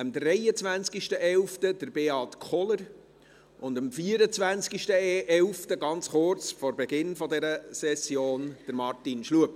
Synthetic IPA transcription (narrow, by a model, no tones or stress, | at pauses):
əmdrɛjət͡svʋænt͡skiʃtəʔɛlftəd̥əɾbeɑːtkʰχɔləɾ | ʔʊndɑmfiːəɾət͡svʋænt͡skiʃtəɛlftəɡɑnt͡sχʊrt͡sfɔɾbɛɡɪnfɔdɛɾəsɛsjoːnd̥əɾmɑrtinʃluəp